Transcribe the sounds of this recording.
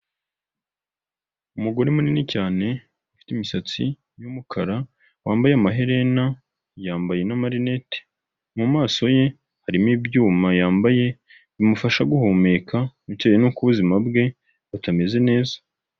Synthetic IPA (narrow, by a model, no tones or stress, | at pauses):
umuɡo̞ɾemuninicaːne̞ | ufi̥timisat͡sḭ | jumukʰaɾa | waːmbajeamaɦe̞ɾe̞na | jaːmbaje̞namaɾine̞te̥ | mumaːso̞je̞ | haɾimiːbjuːmajaːmbaje̞ | imufaʃaɡuhoːme̞kauteːjenuːkuβuzimabɡe̞ | utame̞ze̞ne̞ːzḁ